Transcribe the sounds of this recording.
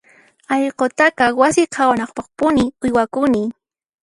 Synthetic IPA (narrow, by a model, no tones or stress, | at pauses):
ɑʎqot̪akɑwasɪqʰawanɑχpɑχpʊnɪʊjwakʊnɪ